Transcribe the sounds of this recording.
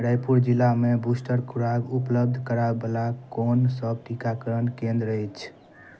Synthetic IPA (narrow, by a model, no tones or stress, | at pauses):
ɾajpuɾd͡ʒilːamebusʈəɾkʰuɾaɡupləb̚d̪ʱkəɾabelakonsəb̚ʈikakəɾənkẽnd̪ɾəjt͡ʃʰ